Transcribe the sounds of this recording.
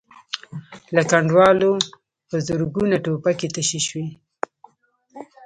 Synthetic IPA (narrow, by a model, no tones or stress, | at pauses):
lakaɳɖwɑlo | pəzʊɾɡunaʈopaket̪əʃiʃwi